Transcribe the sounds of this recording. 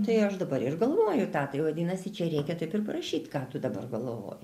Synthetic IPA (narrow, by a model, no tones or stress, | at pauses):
t̪ɐɪɐʃd̪ɐbɐɾɪrɡɐlˠʋoːjʊt̪ɑːt̪ɐɪʋɐd̪ʲinɐsʲɪt͡ʃʲɛɾʲɛɪkʲɛt̪ɐɪpɪrpɐɾɐʃʲiːt̪kɑːt̪ʊd̪ɐbɐ̰rɡɐlˠʋo̰ːj